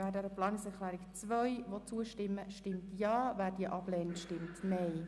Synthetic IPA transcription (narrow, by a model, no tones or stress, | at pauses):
væːdɛɾəplɑːnɪksɛklæːɾɪkt͡sʋœʏʋot͡suəʃtɪmːəʃtɪmtjɑːvæːrdiəʔɑblɛːntʃtɪmtnɛɪ